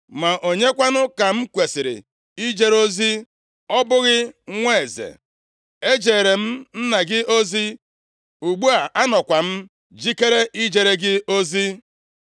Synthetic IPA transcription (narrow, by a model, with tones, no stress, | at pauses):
ma˨ʔo˨ɲe˦kʷa˦nʊ˦ka˨m̩˦kʷe˨sɪ˨ɾɪ̰˨ | i˦d͡ʒe˦ɾo˦zi˦ | ɔ˦bʊ˦ɣɪ˦ŋʷe˦˨zḛ˨ | e˦d͡ʒe˨ɾe˨m̩˦n̩˦na˨ɡɪ˦o˦zi˦ | u˨ɡ͡bu˦a˨ʔa˦nɔ˨kʷa˨m̩˦ | d͡ʒi˦ke˦ɾe˦ʔi˦d͡ʒe˨ɾe˦ɡɪ˦o˦zi˦